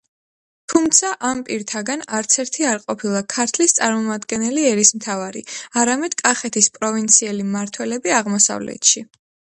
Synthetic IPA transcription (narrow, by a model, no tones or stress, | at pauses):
t̪ʰumt̪sʰaʔampʼiɾt̪ʰaɡanaɾt̪sʰɛɾt̪ʰiaɾqʼɔpʰilˠakʰaɾt̪ʰlist̪sʼaɾmɔmad̪ɡɛnɛliɛɾismt̪ʰavaɾḭaɾamɛd̪̥kʼaχɛt̪ʰispʼɾɔvint̪sʰiɛlimaɾt̪ʰwɛlɛbiaʁmɔsa̰vlɛ̰t̪ʰʃi